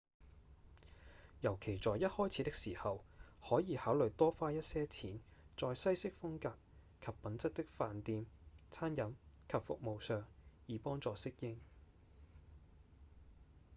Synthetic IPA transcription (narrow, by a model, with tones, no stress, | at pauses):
jɐ˨˩wkʰe˨˩jt͡sɔː˨jːɐ˥t̚hɔː˥jt͡sʰi˨˧˥t̪ɪ˥k̚siː˨˩hɐ˨whɔː˨˥jiː˨˧haː˨˥wlɵ˨ɥt̪ɔː˥faː˥jɐ˥t̚sɛː˥t͡sʰiː˨˥nt͡sɔː˧jsɐ˥jsɪ˥k̚fʊ˥ŋkaː˧p̚ | kʰɐ˨pːɐ˨˥nt͡sɐ˥t̚t̪ɪ˥k̚faː˨nt̪iː˨˧mt͡sʰaː˥njɐ˨˥mkʰɐ˨pfʊ̰˨k̚mo˨wsœː˨˧ŋjiː˨˧pɔː˥ŋt͡sɔː˨˧sɪ˥k̚jɪ˥ŋ